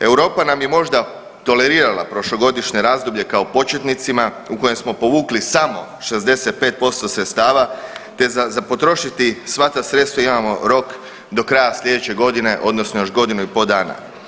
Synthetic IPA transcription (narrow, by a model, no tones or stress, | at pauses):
e̞wɾo̞ːpanamje̞mo̞ʒd̪a | t̪o̞le̞ɾiːɾalˠa̰pɾo̞ʃlo̞ɡo̞d̪iʃɲe̞ɾaːzd̪obʎe̞kaopo̞t͡ʃe̞t̪nit̪sima | uko̞je̞msmo̞po̞ʋuːklisamo̞ | ʃe̞zd̪e̞set̪̚pe̞ːt̪̚po̞st̪o̞sɾet̪st̪aːʋat̪e̞zazapo̞t̪ɾo̞ʃit̪isʋat̪asɾe̞t̪st̪ʋaimamo̞ɾo̞k | d̪o̞kɾajasʎʲe̞d̪et͡ɕe̞ɡo̞d̪ine̞ʔo̞d̪nosnojo̞ʒɡo̞d̪inuipo̞ːd̪aːna̰